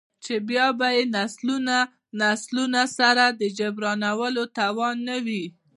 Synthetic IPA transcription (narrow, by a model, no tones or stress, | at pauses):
t͡ʃebjɑbajenasluna | naslunasaɾad̪əd͡ʒabɾɑnawəlot̪awɑnːawi